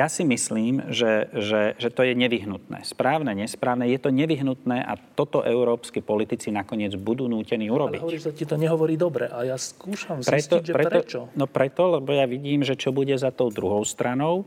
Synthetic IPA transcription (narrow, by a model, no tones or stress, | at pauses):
jasimisliːmʒɛʒɛʒɛt̪ɔjɛɲɛʋiɦnut̪nɛ̰ːspɾaːʊnɛɲɛspɾaːʊnɛjɛt̪ɔɲɛʋiɦnut̪nɛːʔa̰t̪ɔt̪ɔʔɛʊɾɔːpskipɔlit̪it͡sinakɔɲɪɛd͡zbud̪uːnuːcɛniːuɾɔbiɦɔɔɾiisacit̪ɔɲɛɦɔʋɔɾiːd̪ɔbɾɛʔajaskuːʃamzpɾɛt̪ɔpɾɛɾɔt͡ʃɔnɔpɾɛt̪ɔlɛbɔjaʋiɟiːmʒɛt͡ʃɔbuɟɛzat̪ɔʊd̪ɾuɦɔʊst̪ɾanɔʊ